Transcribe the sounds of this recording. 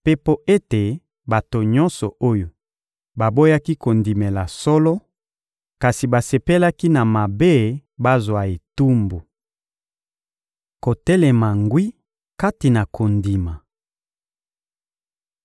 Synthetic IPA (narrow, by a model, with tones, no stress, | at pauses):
pe˦po˦e˦te˨ | ba˨to˨ɲɔ˦nsɔ˨o˦jo˨ | ba˨bo˦ja˦ki˦ko˨ndi˨me˨la˨sɔ˦lɔ˦ | ka˨si˨ba˨se˨pe˦la˦ki˦na˨ma˨be˦ba˦zwa˨e˨tu˦mbo˨ | ko˨tɛ˦lɛ˨ma˨ŋɡwi˦ | ka˦ti˨na˨kʰo˨ndi˨ma˨